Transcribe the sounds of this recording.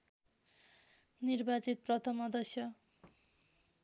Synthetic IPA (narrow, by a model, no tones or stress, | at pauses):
nirbat͡sit̪̚prʌt̪ʰʌmʌd̪ʌsjʌ